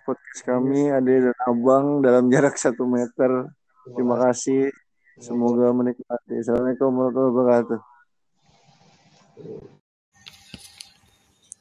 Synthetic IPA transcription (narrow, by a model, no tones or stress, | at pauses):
pɔt̪̚kaskamiadadanabaŋdalamd͡ʒaɾaksat̪umɛt̪ər | t̪ɾimakasih | səmoɡamənik̚mat̪isəlanikaməɾɔt̪aabəkat̪u